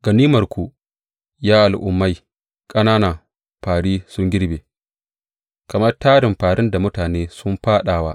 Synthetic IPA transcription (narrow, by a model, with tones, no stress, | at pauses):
ɡ̥ɐ˨niː˦mɐ˨rkʷu˨ | jaː˦ʔa˨lʔʊ̰˨mːa˦j | kʼɐ˦naː˦na˨ | ɸaː˨ɽiː˦sʊ˦ŋɡʲɪ˦ɽbeː˨ | kɐ˨mɐ˦rtaː˦ɾɪ˨mɸaː˨ɽɪ˦nda˨mʊ˦taː˨neː˦sʊ˦mɸaː˦ɗaː˨waː˦ʔ